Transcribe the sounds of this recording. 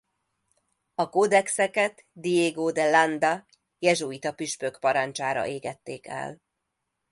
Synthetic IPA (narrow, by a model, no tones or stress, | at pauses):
ɒkod̪ɛksɛkɛt̪ | d̪ijeːɡoːd̪ɛland̪ɒ | jɛʒoit̪ɒpiʃpøkpɒɾɒnt͡ʃaːɾɒ̰ʔeːɡɛt̪ːeːkɛ̰l